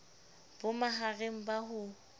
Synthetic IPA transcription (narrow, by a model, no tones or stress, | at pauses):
b̥ʊmaɦareŋ̩baɦʊ